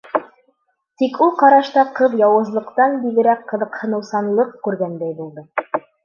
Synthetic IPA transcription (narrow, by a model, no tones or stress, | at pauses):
t̪ikulˠqɑɾɑʃt̪ɑqɤðjɑwɤ̆zlˠɤ̆qt̪ɑnbiɡɘ̆ɾækqːɤ̆ðɤ̆qhɤ̆nɤ̆wsɑnlˠɤqkʉɾɡænd̪æjbulˠd̪ɤ